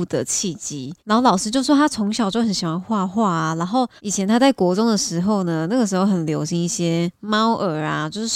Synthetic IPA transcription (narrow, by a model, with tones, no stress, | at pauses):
d̪ə̰˨˩t͡ɕʰi˥˩t͡ɕi˥na˨˧nxo˥˩lɑ˨˩ʂɻ̩˥t͡ɕjo˥˧ʊ˥˩wɔ˥t̪ʰa˥t͡sʰʊ˧˥ŋɕ̬jɑ˨˩ʊt͡ɕjo˥˩ʊxə˨˦nɕi˨˩wa˧˦nxwa˥˧xwa˥˩a˨˩na˧˥nxo˥˩ʊi˨˩t͡ɕʰjɛ˧˦nt̪ʰa˥t͡sa˥˩ɪkwɔ˧˥t͡sʊ˥ŋd̪ə˨ʂɻ̩˧˥xo˥˩ʊnə˩na˥˩ɡəʂɻ̩˧˥xo˥˧ʊxə˨˩nljo˧˥ʊɕi˧˥ŋi˥˩ɕjɛ˦ma˦˥ʊʔə˨˩a˨˩t͡ɕjo˥˧ʊʂɻ̩˥˩